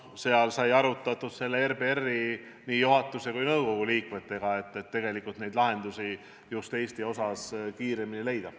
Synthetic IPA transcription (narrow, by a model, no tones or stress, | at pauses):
se̞ɑlsɑjɑɾut̪ːˑɑt̪ːud̪̥se̞lːeerbeerːi | niːjuɦɑt̪ːˑuse̞kujnɤwko̞ɡ̥uliːkme̞t̪ːˑe̞ɡ̥ɑe̞t̪ːet̪ːe̞ɡe̞likːˑult̪ne̞jd̪lɑɦe̞nd̪̥usi | just̪e̞ːst̪io̞sɑskiːɾe̞minile̞jd̪̥ɑ